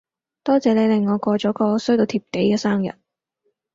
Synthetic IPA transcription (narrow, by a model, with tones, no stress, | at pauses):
t̪ɔː˥t͡sɛː˨˧le˨˧jlɪ˨˧ŋːɔː˨˧kʷɔː˧t͡ʃɔː˨˥kɔː˧sɵ˥t̪o˧wt̪ʰiː˨˩p̚ke˨˥jkɛː˧saː˥ŋjɐ̰˨˩t̚